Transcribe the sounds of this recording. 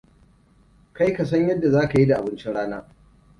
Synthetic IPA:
ka˦jkɐ˨s̬ɐ˦ɲjɐ˦dːa˨zaː˦ka˨ji˦da˨ʔa˨bɪ˦nt͡ʃɪ˦nɽaː˦naː˦

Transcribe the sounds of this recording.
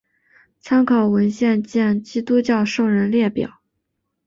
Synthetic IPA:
t͡sʰa˥ŋkʰɑ˨˩ʊwə˧˥nɕjɛ˥˧nt͡ɕjɛ˥˩nt͡ɕi˥t̪u˥t͡ɕjɑ˥˧ʊʂo˥˩ʊɻə˧˥nljɛ˥˩pjɑ̰˨˩˦ʊ

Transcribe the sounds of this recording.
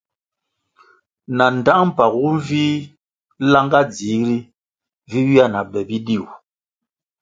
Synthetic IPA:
na˨n˨da˦ŋm̩˦˨pa˨kwu˦ɱ˦vi˦ | la˦ŋɡa˦d͡zi˨˦ɾi˦ | vi˦wi˦a˦˨na˨bɛ˨bi˦di˦˨w

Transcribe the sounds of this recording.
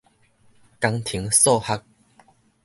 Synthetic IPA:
ka˧ŋt̪ʰi˨˦ŋsɔ˥˧ha˦˥k̚

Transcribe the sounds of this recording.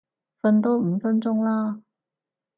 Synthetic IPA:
fə˧nt̪̬o˥wm̩˨˧˥fə˥nt͡ɕʊ˥ŋla˥

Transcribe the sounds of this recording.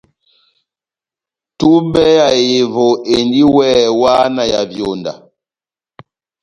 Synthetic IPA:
tu˦bɛ˦ja˨je˨vo˨e˨ndi˦wɛ˦˨wa˦na˨ja̰˨vjo˨nda̰˨

